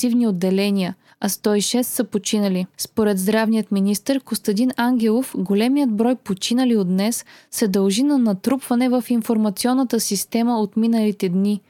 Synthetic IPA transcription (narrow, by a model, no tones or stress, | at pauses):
ivniod̪ːɛlɛniə | ɐst̪ɔiʃɛst̪sɐpot͡ʃinəlispoɾɛd̪zd̪ɾavnijət̪minʲist̪əɾkost̪ɐd̪ʲinaŋɡ̟ʲɛlˠofɡolɛmijəd̪̚bɾɔjpot͡ʃinəliod̪nɛsːɛd̪ɐlˠʒinɐnɐt̪ɾupvɐnɛvɐfinfoɾmɐt̪siɔnːət̪əsist̪ɛməot̪minəlit̪ɛd̪ni